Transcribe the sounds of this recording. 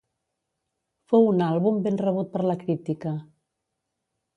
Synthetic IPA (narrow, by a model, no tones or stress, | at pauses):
fowunalˠβumbenrəβ̞ut̪̚pəɾləkɾit̪ikə